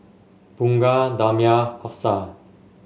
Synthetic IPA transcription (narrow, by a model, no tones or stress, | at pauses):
buŋɡad̪amjahɔpsa